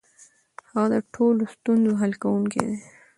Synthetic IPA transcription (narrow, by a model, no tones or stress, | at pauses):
haɣad̪əʈʰolost̪unzoɦalkawuŋkḛd̪e